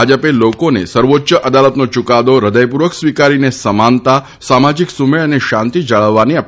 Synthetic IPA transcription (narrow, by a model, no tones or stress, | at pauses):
ad͡ʒəpelokonḛsəɾʋotːʃəʔəd̪alət̪not͡ʃukad̪oɾəd̪əjp̬uɾʋəksʋikaɾinesəmant̪a | samad͡ʒiksumeɭəneʃant̪id͡ʒaɭəʋːaniap